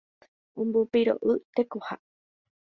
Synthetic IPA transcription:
ũmbupiɾo̰ʔɨt̪ekoha

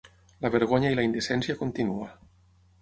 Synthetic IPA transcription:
laβeɾɣ̞oɲailaind̪esɛnsjakont̪inua

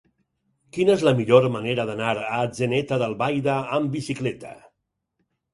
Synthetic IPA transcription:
kinəezləmiʎoɾmaneɾəðanaɾad͡ʒenɛt̪aðəlˠβajðəːmbisiklɛt̪a̰

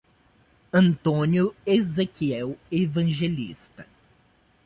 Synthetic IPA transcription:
ɐ̃nt̪õnjʊezekiɛwevɐ̃ʒelḭst̪ɐ

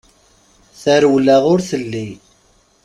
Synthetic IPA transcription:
θæɾwlaʁʊɾθəlːi

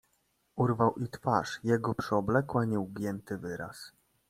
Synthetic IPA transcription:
uɾvawʔit̪faʂjɛɡɔpʂɛɔblɛkwaɲiwɡjɛnt̪ɘvɘɾa̰s

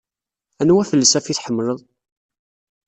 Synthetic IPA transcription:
ænwæfəlːəsæfiθħəmːləðˤ

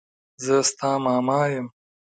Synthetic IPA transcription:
zəst̪ɑːmɑːmɑjəm

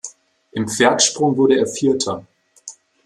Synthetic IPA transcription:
ʔɪmpp͡fɛɐtʃpʁ̥ʊŋvʊɐɾəeːɐfiːɐtʰɐ

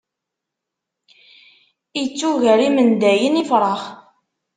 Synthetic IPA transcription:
it͡sːuʝæɾimənd̪æjənifɾˤɑχ

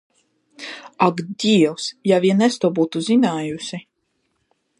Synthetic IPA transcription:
aɡd̪ʲiɛwsjaviɛnɛst̪uɔbuːt̪uzinaːjusi

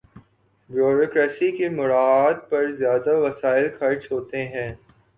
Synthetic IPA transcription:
bjoːɾoːkɾɛːsikemʊɾaːaːd̪̚pɐɾzjaːd̪aʋɐsaːɪlkʰɐɾt͡ʃɦoːt̪eɦɛ̃ː

